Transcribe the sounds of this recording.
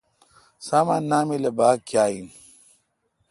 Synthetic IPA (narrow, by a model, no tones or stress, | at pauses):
saːmanːaːmilebaːkjaːin